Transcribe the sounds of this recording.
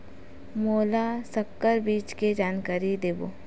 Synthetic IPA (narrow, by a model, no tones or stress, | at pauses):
moːlasɐkːəɾbiːt͡ʃked͡ʒaːnkaːɾid̪eːbo̰ː